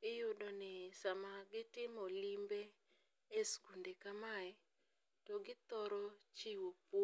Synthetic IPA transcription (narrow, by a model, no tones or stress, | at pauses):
ɪjʊdonɪsamaɡɪtɪmɔlimbe | esɡundekamaɛ | tɔɡɪt̪ɔɾɔt͡ʃiwopw